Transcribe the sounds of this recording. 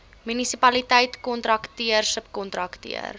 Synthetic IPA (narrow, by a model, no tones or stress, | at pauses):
mynisipɐlitɛjtkɔntrɐktiərsəpkɔntrɐktḭə̰r